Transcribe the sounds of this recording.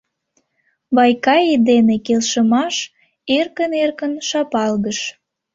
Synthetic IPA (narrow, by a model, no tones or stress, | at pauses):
βɑjkɑed̪enekelʃəmɑʃ | erkənerkənʃɑpɑlɣəʃ